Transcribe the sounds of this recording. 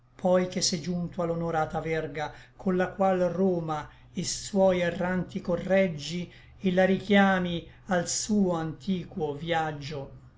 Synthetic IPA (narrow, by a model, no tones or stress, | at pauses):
pʰɔjk̟esːed͡ʒunt̪oalonoɾaːt̪avɛrɡa | kʰonlakwalroːma | iswɔjerːant̪ikorːɛd͡ʒːi | elaɾikjaːmi | alsuːoant̪ʰiːkwovjad͡ʒːo